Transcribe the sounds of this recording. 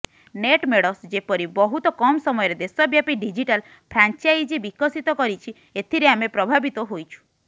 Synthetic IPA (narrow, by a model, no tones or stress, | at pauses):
neʈmeɽɔsd͡ʒepɔɾibɔɦut̪ɔkɔmsɔmɔjɔɾed̪esɔbjapiɖid͡ʒiʈal | pʰɾant͡ʃajd͡ʒibikɔsit̪ɔkɔɾit͡ʃʰi | et̪ʰiɾeamepɾɔbʱabit̪ɔɦojt͡ʃʰu̥